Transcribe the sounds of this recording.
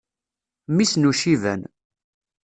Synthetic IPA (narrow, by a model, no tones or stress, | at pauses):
misnuʃivæ̰n